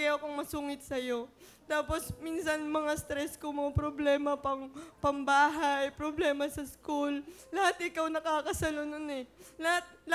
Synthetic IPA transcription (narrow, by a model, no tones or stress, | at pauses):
ɐjakoŋmɐsuŋɪt̪̚sɐjo̞ | t̪aːpo̞sminsɐnmɐŋast̪ɾɛskoŋmɐŋapɾoblɛːmɐpɐŋpɐŋbaːɦɐjpɾoblɛːmɐsɐskulːɐhat̪ʔɪkawnɐkaːkɐsalononɛlɐhat̪̚lɐ